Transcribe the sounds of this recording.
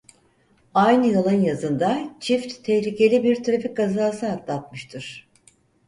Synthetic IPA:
ajnɯjalˠɯnjazɯnd̪at͡ʃʰift̪ʰːɛhlʲice̞lʲibiɾt̪ɾafik̚ɡazaːsɯɦat̪lˠat̪mɯʃt̪ʰɯɾ̥

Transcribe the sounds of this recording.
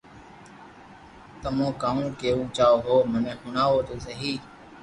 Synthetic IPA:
t̪əmõːkaːũːkeːʋũːt͡ʃaːoːɦoːmənẽːxʊɳaːʋoːt̪oːsəɦiː

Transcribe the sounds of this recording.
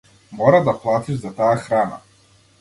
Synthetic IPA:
mɔɾad̪aplˠat̪iʒzat̪aaxɾana̰

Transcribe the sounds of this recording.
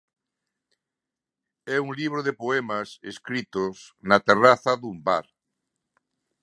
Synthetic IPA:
ɛuŋliβ̞ɾoðepoemaseskɾit̪osnat̪eraθaðumba̰ɾ

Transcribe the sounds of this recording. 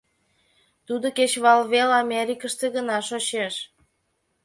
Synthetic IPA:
t̪ud̪oket͡ɕβɑlβelɑmʲeɾʲikəʃt̪eɣənɑʃot͡ɕeʃ

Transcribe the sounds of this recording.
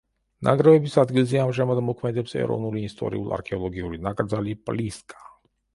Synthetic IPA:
na̰ɡɾɛvɛbisad̪ɡilˠziamʒamad̪mɔkʰmɛd̪ɛpsɛ̰ɾɔ̰nuɾiːst̪ʼɔ̰ɾḭulˠa̰ɾkʰɛɔlˠɔɡiuɾinakʼɾd̪zalipʼliskʰʼḁ

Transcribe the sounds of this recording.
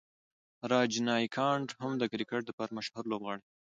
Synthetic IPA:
ɾɑd͡ʒnɑjkʰɑɳɖhʊmd̪əkɾikeʈ̚d̪əpɑɾamaʃhʊɾlobɣɑɽe

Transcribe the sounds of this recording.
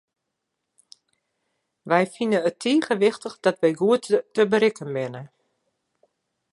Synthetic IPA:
ʋɛjfinənətʰiːɣəʋɪxtəxdɔtʋɛjɡuəttəbəɾɪkənbɪnə

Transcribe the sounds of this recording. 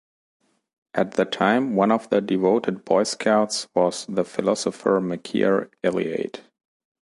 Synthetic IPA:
ʔæt̪̚ðɨtʰãɪ̃mwʌ̃nɔvðədɪvoʊtɨd̚bɔɪskʰaʊtswʌz̥ðəfɪlɑsəfə˞mɨkʰḭə̰ɹɛlˠḭḛɪt

